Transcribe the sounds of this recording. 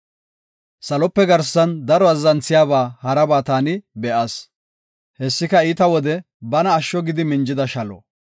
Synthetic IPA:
sɐlɔpːɛɡɐɾsːɐnd̪ɐɾɔɐzːɐnt͡sːɪjaːβaːhɐɾɐbaːt̪aːnɪbɛʔɐs | hɛsːɪkɐiːt̪ɐwɔd̪ɛ | bɐnɐːʃːɔɡɪd̪ɪmɪnd͡ʒɪd̪ɐʃɐlɔ̰

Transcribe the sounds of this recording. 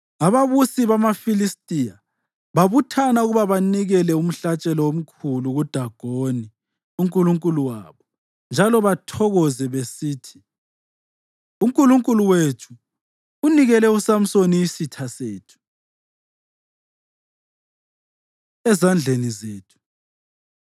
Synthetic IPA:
aβaβusiβamafilistʼija | βaβutʰanauɣuβaβaniɣɛlɛum̩ɬat͡ʃʼɛlɔwom̩kʰuluɣud̥ʱaɡ̥ʱoni | uŋkʼuluŋkʼuluwa̰ːβɔ | nd͡ʒʱalɔβatʰɔɣɔzɛβesiːtʰi̥ | uŋkʼuluŋkʼuluwetʰu̥ː | niɣɛlɛusam̩soniisitʰaseːtʰu̥ | ɛzand͡ɮʱenizeːtʰu̥

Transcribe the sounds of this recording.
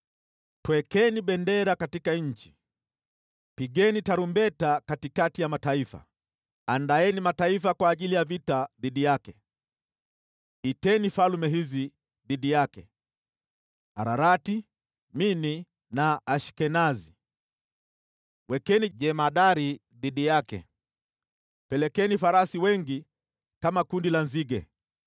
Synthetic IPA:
twɛkɛniɓɛndɛɾakatikaɲ̩t͡ʃi̥ | piɠɛnitaɾumbɛtakatikatijamataifa̰ | andaɛnimataifakwaːʄilijavitaðiɗijakɛ | itɛnifalumɛɦizi | ðiɗijakɛ | a̰ɾaɾati | mini | naaʃi̥kɛnazi | wɛkɛniʄɛmaɗaɾi | ðiɗijakɛ̰ | pɛlɛkɛnifaɾasiwɛŋɡi | kamakundilanziɡɛ̰

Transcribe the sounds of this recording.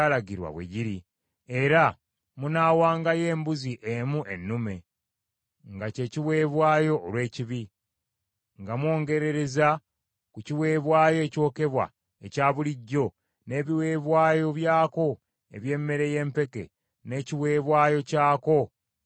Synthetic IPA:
laɟiɾwa̰βwḛɟiɾi | e̞ɾa | munaːwaːŋɡaje̞ːmbuziʔemuʔenːume̞ | ŋɡace̞ːciwe̞ːβwaːjo̞ʔːlwe̞ːciβi | ŋɡamwo̞ːŋɡe̞ɾe̞ɾe̞za | kuciwe̞ːβwaːjo̞eco̞ːke̞βwa̰ | ecaːβuliɟːo̞ | ne̞ːβiwe̞ːβwaːjo̞βjaːko̞ | ḛβje̞ːmːe̞ɾe̞je̞ːmpe̞ke̞̰ | ne̞ːciwe̞ːβwaːjo̞caːko̞

